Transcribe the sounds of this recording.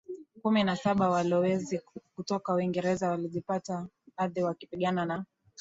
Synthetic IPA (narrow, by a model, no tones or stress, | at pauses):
kuminasaɓawalɔwɛzikutɔkawiŋɡɛɾɛzawaliʄipata | ɓaðiwakipiɠanana